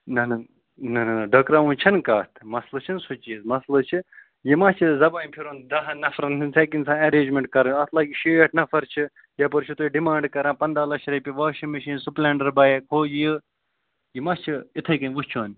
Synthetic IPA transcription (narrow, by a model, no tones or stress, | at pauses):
nɐnɐ | nɐnɐnɐɖɐkɾaːũːnt͡ʃʰɐnkaːt̪ʰmɐslɨt͡ʃʰinsot͡ʃiːzmɐslɨt͡ʃʰi | jimɐt͡ʃʰizɐbaːpʰiɾoːnd̪ɐɦɐnɐfɾɐninseːkinsãːɐɾeːnd͡ʒmẽɳʈ̚kɐɾɐɐt̪ʰlaːkiʃeːɐʈʰnɐfɐɾt͡ʃʰi | jɐp̬ɐɾt͡ʃʰut̪oiɖimãːɳɖkɐɾãːpɐnd̪aːlɐt͡ʃʰɾɐjpʲiʋaːʃimɐʃiːnsuplʲɛːɳɖɐɾbaːjekʰoːjə | jimɐt͡ʃʰiit̪ʰɐjkɐnʲʋut͡ʃʰoːn